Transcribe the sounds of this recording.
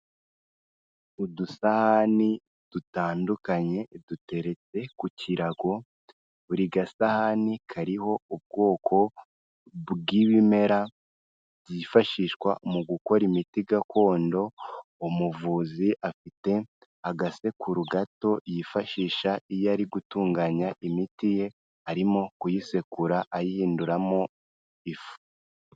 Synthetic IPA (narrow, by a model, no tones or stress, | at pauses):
udusahani | d̥utaːndukaɲe̞d̥ute̞ɾe̞t͡se̞kuciɾaɡo̞ | βuɾiɡasahanikʰaɾiho̞ub̚ɡo̞ːkʰo̞ | βɡiβime̞ɾa | ɟifaʃiʃkwa̰muɡuko̞ɾimitiɡakʰo̞ːndo̞umuvuːziʔafite̞ | aɡase̞kʰuɾuɡato̞jifaʃiːʃaijaɾiɡutuːŋɡaːɲaʔimitije̞ | haɾimo̞kujise̞kuɾaʔajihiːnduɾamo̞ | ifu̥